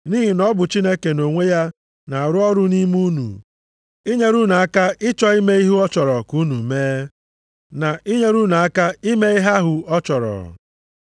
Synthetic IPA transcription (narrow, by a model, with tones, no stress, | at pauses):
niː˦ɦi˨nɔ˦bʊ˨t͡ʃi˦ne˦ke˨no˨ŋʷe˦ja˦ | na˨a˨ɾʊ˦ɔ˦ɾʊ˦ni˦mu˦nṵ˨ | i˦ɲe˦ɾu˦nu˨a˦ka˦ɪ˦t͡ʃɔ˦i˦me˦i˦ɦu˦ɔ˦t͡ʃɔ˨ɾɔ˨ku˦nu˨meː˦ | na˨ʔi˦ɲe˦ɾu˦nu˨a˦ka˦i˦me˦i˦ɦa˦ɦʊ˨ɔ˦t͡ʃɔ˨ɾɔ̰˨